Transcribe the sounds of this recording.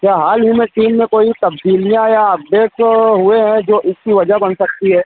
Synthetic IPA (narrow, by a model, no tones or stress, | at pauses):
kʲjaːɦaːlɦimẽʈiːmːẽkoːit̪ɐbd̪iːlijãjaɐb̚deːsɦʊeɦɛ̃d͡ʒoːʔɪskiʋɐd͡ʒaɦbɐnsɐk̚t̪iɦɛː